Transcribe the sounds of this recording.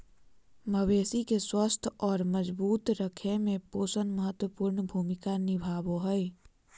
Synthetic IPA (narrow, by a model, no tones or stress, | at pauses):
məweːsikeswəst̪ʰɔːɾməd͡ʒbuːt̪ɾəkʰemẽpoːsənməɦət̪wəpuːɾnbʱuːmɪkanɪbʱaːboɦəi